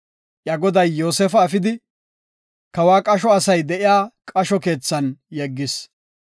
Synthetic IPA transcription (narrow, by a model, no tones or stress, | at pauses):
ʔjɐɡɔd̪ɐjːo̞ːsɛfɐːfɪd̪ɪ | kɐwaːkʼɐʃɔɐsɐjd̪ɛʔɪjaːkʼɐʃɔke̞ːt͡sːɐnjɛɡːɪs